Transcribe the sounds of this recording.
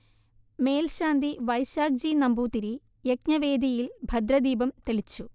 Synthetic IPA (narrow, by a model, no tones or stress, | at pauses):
me̞ːlɕaːnd̪iʋɐjsaːɡ̚d͡ʑiːnɐmbuːt̪iɾi | jekɲɐʋe̞ːd̪ʱijilbʱɐd̪ɾɐd̪iːbɐmt̪eɭit͡ɕːu